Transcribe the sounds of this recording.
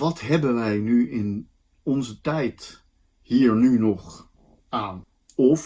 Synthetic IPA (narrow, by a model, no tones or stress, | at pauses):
ʋɑtɦɛbənʋɛjnyɪn | ɔnzətɛjt | hiːɹnynɔχ | aːn | ɔv